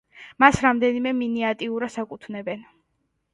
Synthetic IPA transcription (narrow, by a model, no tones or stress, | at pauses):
masɾamd̪ɛnimɛminɛat̪ʼiuɾasakʼut̪ʰnɛbɛn